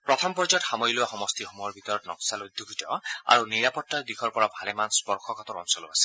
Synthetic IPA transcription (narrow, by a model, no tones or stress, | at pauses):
pɹɔt̪ʰɔmpɔɹd͡ʒɔtxamɔjlowaxɔmɔst̪ixomuɦɔɹbʱit̪ɔɹɔtnɔksalod̪ʱːuɡʱitɔa̰ɹuniɹapɔtːaɹd̪ikʰɔɹpɔɹabʱalɛmanspɔɹxʰɔkat̪ɔɹɔ̰nsɔlɔ̰asɛ̥